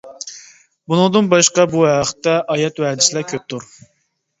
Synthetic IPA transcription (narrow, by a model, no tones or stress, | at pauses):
bunɨŋd̪ɨnbɑʃqɑbuæχə̥t̪ːɛʔɑjɛt̪wɛd̪ɪsɪlækʲʰøp̚t̪ʰuɾ